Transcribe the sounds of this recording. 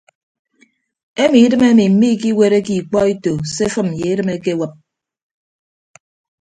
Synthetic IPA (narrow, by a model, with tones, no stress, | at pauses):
e˦mi˨i˦dɨ˦me˦mi˨m̩˨mi˦˨ki˦we˦ɾe˦ki˨k͡pɔ˦e˦to˨se˦fɨ˦m˨je˨˦dɨ˦me˦ke˦wə˦p̚